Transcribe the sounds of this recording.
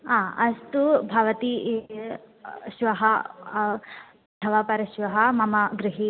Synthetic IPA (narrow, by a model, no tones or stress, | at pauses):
aːɐst̪ubʱaʋɐt̪i | ʃʋɐɦɐ | ɐt̪ʰɐʋapɐɾɐʃʋɐɦɐmɐmɐɡɾɪɦi